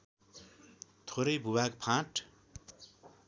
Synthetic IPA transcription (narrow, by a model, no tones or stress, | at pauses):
t̪ʰoɾʌjbʱubakpʰãʈ